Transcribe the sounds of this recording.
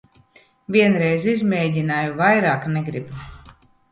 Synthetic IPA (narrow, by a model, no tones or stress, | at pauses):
viɛnɾɛjzizmeːɟʲinaːjuvajɾaːkneɡɾib